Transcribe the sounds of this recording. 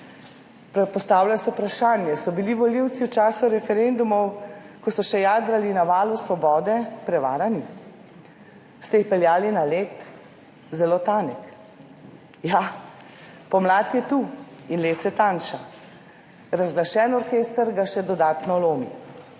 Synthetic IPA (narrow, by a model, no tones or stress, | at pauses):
ppɔst̪aːwlʲasɛupɾaʃaːnjɛsɔbiliʋɔliwt̪siwt͡ʃaːsuɾɛfɛɾend̪umɔwkɔsɔʃɛjaːd̪ɾalinaʋaːlusʋɔbɔːd̪ɛpɾɛʋa̰ːɾani | st̪ɛjixpɛljaːlinaleːt̪ | zɛloːt̪aːnɛk | ja | pɔmlaːt̪jɛt̪uinleːt̪sɛt̪aːnʃa | ɾazɡlaʃɛːnɔɾkeːst̪aɾɡaʃɛd̪ɔd̪aːt̪nɔloːmḭ